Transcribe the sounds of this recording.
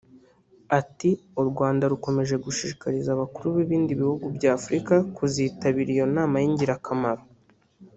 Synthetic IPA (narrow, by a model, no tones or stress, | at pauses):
atiuɾɡwaːndaɾuko̞me̞ʒe̞ɡuʃiːʃi̥kaɾizaβakuɾuβiβiːndiβihuɡubɟaːfɾikakuziːtaβiɾijo̞naːmajiɲɟiɾakʰamaɾo